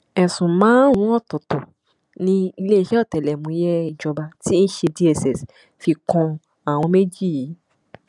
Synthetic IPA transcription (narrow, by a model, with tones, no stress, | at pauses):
ɛ˨sũ˨mãː˨˦n˦w̃ɔ̃˦ɔ˦˨tɔ˨tɔ˨ | nĩ˧i˧le˦i˦ʃɛ˦ɔ˦˨tɛ˨lɛ˨mũ˨˧˦jɛ˦i˧d͡ʒɔ˧ba˧ti˦n̩˦ʃe˧di˦ɛ˧sɛ˨s | fi˧kɔ̃˧ | a˨w̃ɔ̃˧me˦d͡ʒi˦˨ji˨˦